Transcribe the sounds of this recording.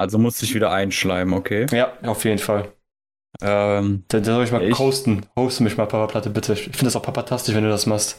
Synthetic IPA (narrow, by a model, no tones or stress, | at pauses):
ʔalzomʊsdɪçv̥iːdɐʔaɪnʃlaɪbm̩okʰeːjaːaʊfjeːdn̩fal | ʔɛmd̥adanzɔlɪçmaːlʰoʊstn̩hoʊstəmɪçmaːlpʰapaplatəbɪtʰəɪçɪfɪndə̥asaʊfpʰapantʰastɪʃvɛnduːdasmaχst